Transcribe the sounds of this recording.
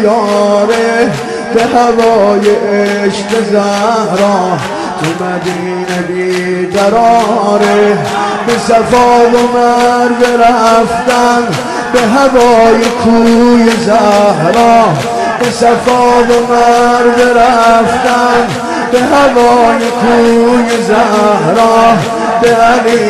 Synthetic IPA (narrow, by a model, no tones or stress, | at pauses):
jɔːɾe | b̥ehævɒɔːjeʔeʃqezæhɾɔː | kʰomæd̪iːnebiːd̪æɾɔːɾe | besæfɔːbomæɾbeɾæft̪ænd̪ | beɦavɔːjekʰuːjezæɦɾɔː | besafɔːbomæɾbeɾæft̪ænd̪ | beɦævɔːjekʰuːjezæhɾɔː | beæliː